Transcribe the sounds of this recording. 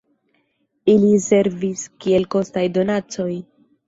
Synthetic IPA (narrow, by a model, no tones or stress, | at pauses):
ilise̞ɾviskie̞lko̞stajdo̞nat͡so̞j